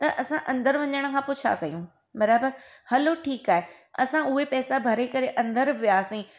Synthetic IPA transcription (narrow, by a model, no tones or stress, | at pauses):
t̪ɐʔɐsãʔɐ̃nd̪əɾʋɐɲəɽ̃ə̆kʰãːpʊt͡ɕʰa̰kɐijũ | bɐɾaːbəɾhɐloʈʰiːkaːɦe | ɐsãʊɦepɛːsabʱɐɾekɐɾeʔɐ̃nd̪əɾʋijaːsĩː